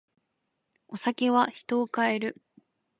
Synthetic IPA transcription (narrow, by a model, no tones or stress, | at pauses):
o̞sakʲe̞βaçi̥t̪o̞ːkae̞ɾɯ̟